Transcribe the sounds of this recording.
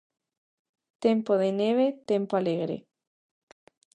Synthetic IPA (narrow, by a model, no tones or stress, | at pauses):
t̪empoðeneβ̞et̪empoaleɣɾḛ